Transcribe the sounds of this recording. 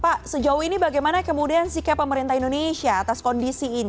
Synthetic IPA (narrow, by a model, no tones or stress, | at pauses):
paʔsəd͡ʒauinibaɡajmanakəmudiansikapːəməɾint̪aindonesiaːt̪askɔndisiːn